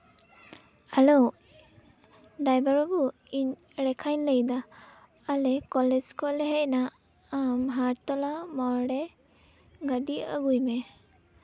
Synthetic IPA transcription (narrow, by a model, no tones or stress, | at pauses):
alɔ | ɖajbaɾɔbu | iɲ | ɾɛkʰaɲləjd̪aː | lɛkɔlɛd͡ʒkɔlɛɦɛjnaː | mɦaɾt̪ɔlamaɽɛ | ɡaɖia̰ɡujmɛ